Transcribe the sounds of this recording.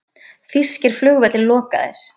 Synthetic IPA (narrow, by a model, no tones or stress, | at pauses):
θiscɪɾ̥flʏɣvɛt̪lɪlɔːka̰ðḛɾ̥